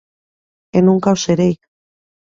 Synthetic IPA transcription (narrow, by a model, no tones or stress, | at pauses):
enuŋkawseɾejk